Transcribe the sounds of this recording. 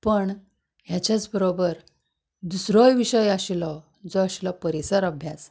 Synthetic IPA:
pəɳ | ɦjat͡ɕjat͡sbəɾobəɾ | d̪usɾɔjʋiɕəjaɕilɔ | d͡zɔaɕilɔpəɾisəɾəbʱjas

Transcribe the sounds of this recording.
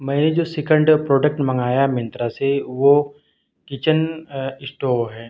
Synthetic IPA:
mɛ̃ːed͡ʒoːsɪkə̃ɳɖpɾoːɖək̚ʈmɐ̃ŋɡaːjamjə̃nt̪ɾaseʋo | kɪt͡ʃənɪsʈoːɦɛ̃ː

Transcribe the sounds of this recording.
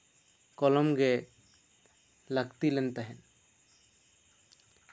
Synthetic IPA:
kɔlɔmɡɛ | laɡt̪ilɛnt̪aɦɛn

